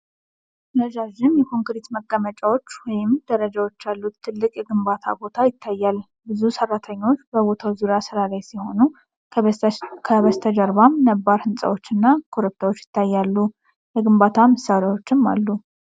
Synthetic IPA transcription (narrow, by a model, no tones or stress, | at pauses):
nəd͡ʒaʒɪmjɛkʰo̞ŋkɾit̪məɡʼːəmət͡ʃʼawo̞t͡ʃːwɔjɪmd̪̥əɾəd͡ʒawo̞t͡ʃːalːut̪t̪ʰːɨlːɨkʼjɛɡɨmbat̪ʰa̰bo̞t̪ʰajɪt̪ʰːajːal | bɨzusərːat̪ʰəɲːo̞t͡ʃːbəβo̞t̪ʰawzuɾijasɨɾalajsiho̞nu | kʰəβəst̪ʰəd͡ʒəɾβamnəbːaɾhɨnsʼə̰wot͡ʃːɨnːakʰoɾɨp̚t̪ʰawot͡ʃːjɪ̥t̪ːajːalːu | jɛɡɨmbat̪ʰamɨsːaɾjawo̞t͡ʃːɪmːa̰lːu